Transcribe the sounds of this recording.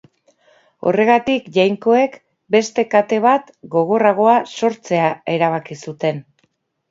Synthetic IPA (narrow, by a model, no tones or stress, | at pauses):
o̞̰re̞ɣ̞at̪ikʝajŋko̞e̞k | be̞st̪e̞kat̪e̞β̞at̪ɡo̞ɣ̞o̞raɣ̞o̞aso̞ɾt͡se̞ae̞ɾaβ̞akisut̪e̞n